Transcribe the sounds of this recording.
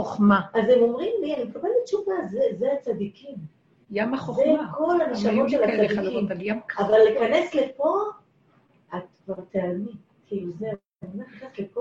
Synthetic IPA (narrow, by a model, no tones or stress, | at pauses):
oχmaʔazemo̞mʁimlianimekabelbit͡ʃuvazezeat͡sad̪ikim | jamaχozekʰo̞laneʃamoʃelat͡saikjamkavalːekane̞sle̞po̞ | at̪̚kvaʁt̪eami | tʰize | naeknaslepo